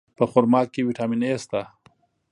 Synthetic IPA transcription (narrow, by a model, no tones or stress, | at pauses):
pəxʊɾmɑːkːewiʈaːminest̪a